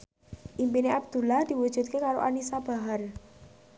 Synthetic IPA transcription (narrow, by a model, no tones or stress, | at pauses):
ʔimpineʔab̚d̪̥ulahd̪̥i̤wud̥ʒ̥ṳt̪̚kekaɾo̰ʔanisab̥a̤ɦar